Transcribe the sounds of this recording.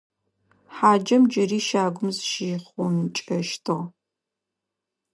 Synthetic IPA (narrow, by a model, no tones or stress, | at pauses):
ħaːd͡ʒɐmd͡ʒɐriːʃaːɡʷʊmzʃiːχʷɔnt͡ʃʼɐʃtʰoʁ